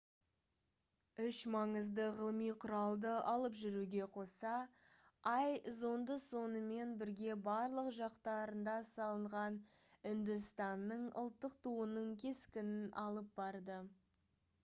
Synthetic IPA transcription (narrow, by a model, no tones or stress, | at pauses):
ʏʃmɑɴəzd̪əʁəlˠmijqʰʊɾɑlˠd̪əʔɑlˠəpʒʏɾuɡʲe̞qʰo̞sɑ | ɑjzo̞nd̪əso̞nəme̞nbɪɾɡʲe̞bɑɾlˠəqʒɑqt̪ɑɾənd̪ɑsɑlˠəɴʁɑnɪnd̪ɪst̪ɑnːəɴʊ̰lˠt̪ːəq̚t̪ʰuənəɴkʲʰe̞skʲɪnɪnɑlˠəp̚bɑɾd̪ə